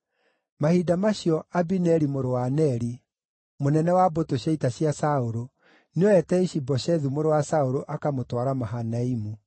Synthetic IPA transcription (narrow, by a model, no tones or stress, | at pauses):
mahidamaɕiɔabinɛɾimoɾowanɛɾi | monɛnɛwabotoɕaitaɕjasaoɾo | neɔɛtɛiʃibɔʃɛðumoɾowasaoɾoʔakamotwaɾamaɦanaimu